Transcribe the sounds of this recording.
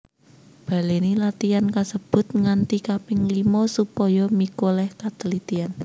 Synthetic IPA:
b̥a̤lenilat̪iankasəb̥ʊ̤t̪̚ŋant̪ikapɪŋlimɔsupɔjɔmikolɛhkat̪əlit̪ian

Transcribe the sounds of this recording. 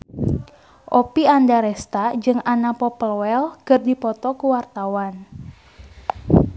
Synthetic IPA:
ʔɔpiandaɾɛst̪ad͡ʒɨŋanapɔpəlwɛlkərdipɔt̪ɔkuwart̪awan

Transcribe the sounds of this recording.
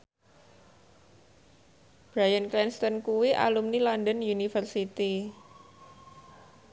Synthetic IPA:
b̥ɾajənklɛnst̪ənkuwiʔa̰lumnilandənunifərsit̪i

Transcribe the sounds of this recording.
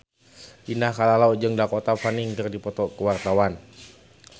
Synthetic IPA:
ʔinahkalalaud͡ʒɨŋdakɔt̪afaniŋt̪ərdipɔt̪ɔkəwart̪awan

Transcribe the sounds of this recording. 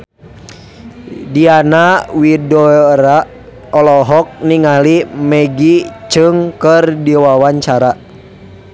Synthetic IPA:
dianawidɔɾa | ɔlɔɦɔk̚niŋalimɛɡit͡ʃɨŋkərdiwawaɲt͡ʃaɾa

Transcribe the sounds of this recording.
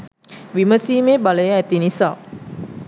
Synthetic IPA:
ʋiməsiːmeːbaləjəæt̪inisa̰

